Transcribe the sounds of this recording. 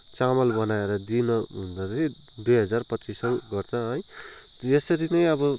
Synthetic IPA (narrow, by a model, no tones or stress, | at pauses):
t͡samʌlbʌnaeɾʌd̪inʌɦund̪ʌtʰi | d̪ujɦʌd͡zarpʌtːt͡sisʌwɡʌrt͡sʰʌ̃ɦʌj | esʌɾinʌjʌbʌ